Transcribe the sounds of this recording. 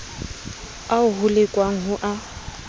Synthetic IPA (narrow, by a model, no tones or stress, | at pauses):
aʊɦʊlekʼwaŋ̩ɦʊʔa